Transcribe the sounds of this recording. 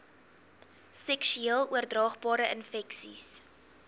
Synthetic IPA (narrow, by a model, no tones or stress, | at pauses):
sɛksyiəlˠuərdrɑːχbɑːɾəʔənfɛksḭs